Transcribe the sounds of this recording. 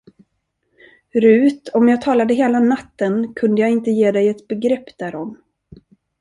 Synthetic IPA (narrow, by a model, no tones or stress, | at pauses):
ɾʉ̟ːt̪ɔmjɑːɡt̪ʰɑːlad̪əɦeːlanat̪ːənkʰɵnd̪əjaːɪnt̪əjeːd̪ɛjɛt̪bɛɡɾɛpːd̪̥æːɾɔm